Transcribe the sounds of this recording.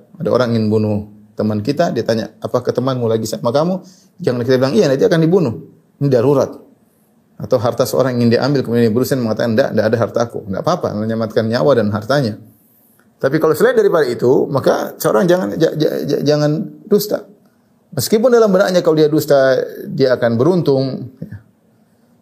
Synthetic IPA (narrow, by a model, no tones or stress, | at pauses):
adao̰ɾaŋiŋɪnbunʊ | t̪əmankit̪adiat̪aɲa̰apakət̪əmanmulaɡisamakamu | d͡ʒaŋank̬it̪abilaŋijanat̪iakandibunʊh | nidaɾuɾat̪̚ | at̪awɦart̪asəo̰ɾaŋiŋɪndia̰ʔa̰mbɪlkəmudianjabəɾusanməŋat̪akannda̰ʔndaʔːdaɦart̪akṵndaʔapapa̰məɲamat̪̚kanɲawadanɦart̪aɲa | t̪apikalosəlaɪt̪daɾipadait̪umaka̰səoɾaŋd͡ʒaŋana̰d͡ʒa̰d͡ʒaŋandust̪a̰ | məskip̬ʊndalambəna̰ʔɲakalodiadust̪adiaːkanbəɾunt̪ʊŋja